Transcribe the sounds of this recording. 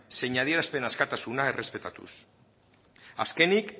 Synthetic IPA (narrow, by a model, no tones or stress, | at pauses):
seɲaðieɾaspe̞naskat̪asunae̞re̞spe̞t̪at̪ṵs | a̰ske̞nik